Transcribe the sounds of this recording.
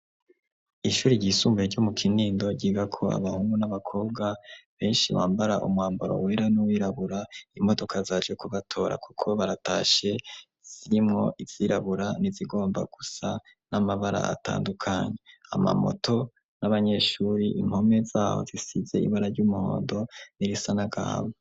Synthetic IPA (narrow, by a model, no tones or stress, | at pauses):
iʃuːɾiɟiːsuːmbueɾɟomukʰiniːndo̞ɟiɡakʰo̞a̰βahuːŋɡunaβakʰo̞ːb̚ɡaβe̞ːnʃiwaːmbaɾaʔumwaːmboɾo̞̰we̞ɾanuwiɾaβuɾaimo̞do̞kʰazad͡ʒɡekuβatʰo̞ːɾa̰kʰu̥kʰo̞βaɾata̰ːʃe̞ | z̥iɾimŋo̞̰ʔivz̥iɾaβuɾaniziɡo̞ːmba̰ɡ̥usa | namaβaɾa̰a̰tʰa̰ːndukʰaɲea̰ma̰mo̞̰to̞ | naβaɲe̞ʃuːɾiʔim̥ho̞me̞zaːho̰zisize̞ḭβaɾaɾɟumuho̞̰ːndo̞niɾisanaɡa̰ːβo